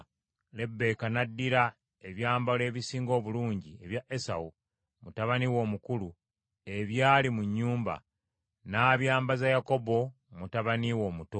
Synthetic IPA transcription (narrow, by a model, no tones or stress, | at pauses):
le̞bːe̞ːkanadːiɾa | e̞βjaːmbale̞ːβisiːŋɡo̞ːβuluːɲɟie̞βjaʔe̞sa̰u | mutaβaniwo̞ːmukulu | e̞βjaːlimuɲːuːmba̰ | naːβjaːmbazajako̞bo̞ | mutaβaniwo̞ːmuto